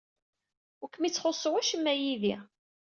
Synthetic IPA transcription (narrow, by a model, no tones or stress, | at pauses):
ʊkːmit͡sːχosˤːwæʃəmːæjiði